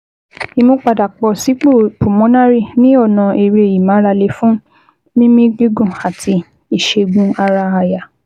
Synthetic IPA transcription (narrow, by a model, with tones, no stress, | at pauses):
i˨˧mũ˧k͡pa˨da˨k͡pɔ˧si˨˦k͡po˦˨pu˨mɔ̃˨˦nã˦ɾi˦˨nĩ˦ɔ˦˨nã˨e˨ɾe˧e˨ji˨mã˨˦ɾa˧le˧fũ˦ | nĩ˦mĩ˦ɡi˦ɡũ˦˨a˨tʰi˧ | i˨ʃe˧ɡũ˦a˧ɾaː˧ja˨